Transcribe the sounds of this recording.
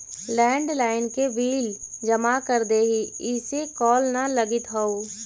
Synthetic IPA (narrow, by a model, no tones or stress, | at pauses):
lɛ̃ːɳɖlaːɪnkeʋiːld͡ʒɐmakəɾd̪eːɦiɪsekɔːlnalɐɡɪt̪ɦoo